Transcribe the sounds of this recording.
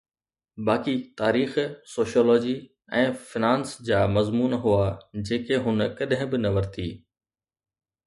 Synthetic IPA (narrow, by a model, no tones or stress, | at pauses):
baːkit̪aːɾiːxsoːʃijoːlɔːd͡ʑi | ɛ̃ːfɪnãːnsd͡ʑaːmɐzmuːnɦuaːd͡ʑeːkeɦʊnkɐɗɦɪ̃bɪnɐʋɐɾt̪ʰiː